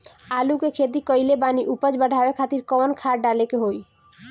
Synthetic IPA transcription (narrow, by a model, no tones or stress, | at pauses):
alukekʰet̪̬ikɔjlebaniʔupəd͡ʑbəɖʱaoekʰat̪iɾkɔɔnkʰaɾɖalekeɦoj